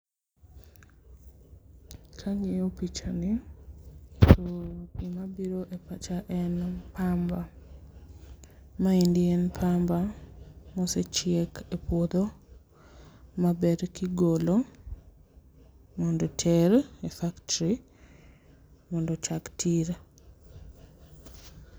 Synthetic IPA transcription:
kʰaɲiopit͡ʃani | toimabiɾoʔepat͡ʃaʔɛnpamba | maindɪɛnpʰamba | moset͡ʃɪekepwod̪o | mabɛdkiɡolo | mɔndɔtʰɛɾefaktɾi | mɔndɔt͡ʃaktʰiɾa

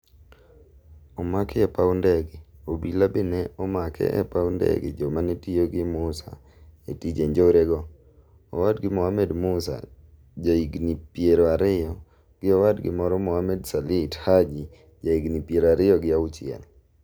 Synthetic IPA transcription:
ɔmakɛɛpaundɛɡɪobilabɪnɛɔmakʰɛ̰ʔɛ̰pawndɛ̰ɡɪ̰d͡ʒɔmanetijoɡɪmʊsa̰ | etid͡ʒeɲd͡ʒoɾeɡɔ | ɔwadɡɪmɔhamɛdmʊsa̰ | d͡ʒaiɡnipjeɾoaɾɪjɔ | ɡ̥ɪɔwadɡɪ̰mɔɾɔmɔhamɛdsalithad͡ʒi | d͡ʒaiɡnipjeɾaɾɪjɔɡɪaʊt͡ʃɪɛ̰l

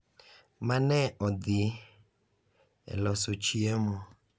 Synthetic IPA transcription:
manɛɔd̪ɪ | ɛ̰lɔsot͡ʃiɛmɔ

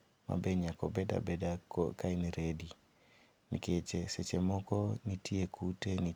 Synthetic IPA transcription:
ma̰beɲakɔbɛda̰bedakaɪneɾedi | nḭket͡ʃeset͡ʃemɔkɔnitiekʰuteni

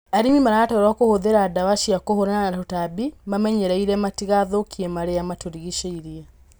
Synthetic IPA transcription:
aɾimimaɾatɔɾɔkohoðeɾadawaʃiakohoɾananatotabimamɛɲɛɾaiɾɛmatiɣaðokʰiɛmaɾeamatoɾiɣiʃeiɾia

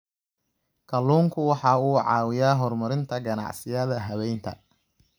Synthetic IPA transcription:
kʰɐluːŋkʰʊwɑħɑuːʕɑ̰ːwɪjaːɦɔrmɐɾɪnt̪ʰɐɡɐnɑ̰ʕsɪjɐðɐɦɐβɛjnt̪ʰɐ̰

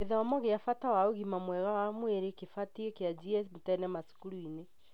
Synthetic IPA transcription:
keðaɔmɔɣeafatawaoɣimamwɛɣawamweɾekefatiɛkead͡ʒiɛsmotɛnɛmasu̥kuɾuine

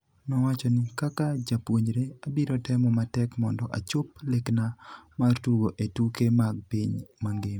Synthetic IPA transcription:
nɔwat͡ʃɔnɪkakad͡ʒapwoɲd͡ʒɾeabiɾɔtɛmɔmatɛkmɔndɔʔa̰t͡ʃʊplɪknamartuɡoʔetukemaɡ̚piɲmaŋɡɪm

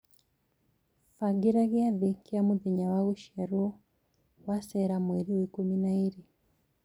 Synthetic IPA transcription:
faɡiɾaɣiaðikiamuðiɲawaɣuʃaɾuɔ | wasɛɾamwɛɾiwikuminaiɾi

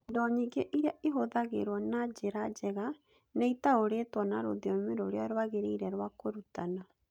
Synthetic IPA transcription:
dɔɲeɡeʔiɾeaʔeɦoðaɣḛɾwɔnad͡ʑeɾad͡ʒɛɣa | nɛitaoɾetwɔnaɾo̰ðiɔmeɾoɾeaɾowaɣeɾeiɾɛɾwakoɾutana

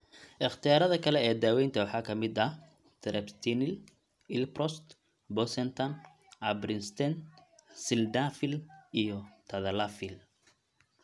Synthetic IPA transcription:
ʔɪχt̪ʰijaːɾɐðɐkʰɐlɛɛːd̪aːwɛjnt̪ʰɐwɑħɑːkʰɐmɪd̪ɐ | t̪ʰɛɾʔɛpst̪ʰinɪl | ɪlprɔst̪ | bɔsɛnt̪ʰɐn | ʔɐbɾɪnst̪ʰɛnsɪld̪afɪlʔijɔt̪ʰɐðɐlafɪl

